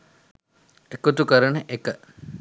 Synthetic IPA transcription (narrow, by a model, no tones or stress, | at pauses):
ekot̪ukəɾəɳəʔekə